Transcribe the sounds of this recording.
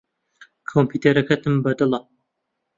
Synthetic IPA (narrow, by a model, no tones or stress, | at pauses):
kʰompʰiːt̪eɾɐkɐt̪ɨmbɐd̪ɨlɐ